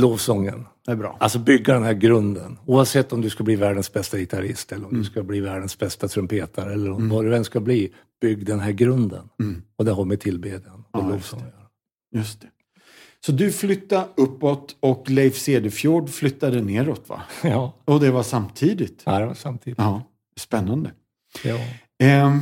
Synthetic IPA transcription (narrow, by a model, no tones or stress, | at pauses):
loːvsɔŋːə̰nd̪æbɾɑ̰ːalsɔbʏɡːad̪ɛnɦæːɾɡɾɵnd̪ənuːavsɛt̪ːɔmd̪ɵskabliːvæːɖənsbɛst̪aɡɪt̪ʰaɾɪst̪ɛlːəɾɔmd̪ɵskabliːvæːɖənsbɛst̪at̪ʰɾɵmpʰeːt̪ʰaɾɛlːəɾnɔnvɑd̪ɵvɛnskabliː | b̥ʏɡːd̪ɛnɦæːɾɡɾɵnd̪ənɔd̪ɛɦɔmɛt̪ʰɪlbeːd̪janɔloːvɔaɾ | jɵst̪ɛ̥ | sɔd̪ɵflʏt̪ːaɵpːɔt̪ɔklɛɪfseːd̪ɛfjuːɖflʏt̪ːad̪əneːɾɔt̪va̰ɑɔd̪ɛvaʂamt̪ʰiːd̪ɪt̪ːd̪ɛva̰samt̪ʰiːɑː | spɛnːand̪ə | ɑː